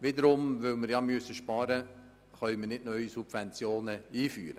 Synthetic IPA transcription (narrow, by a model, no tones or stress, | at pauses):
ʋɪd̪əɾʊmʋɵlməɾjɑmyəsːəʃpɑːɾə | χœʏməɾnɪdnœʏisub̥vɛnt͡sjoːnəiːfyːɾə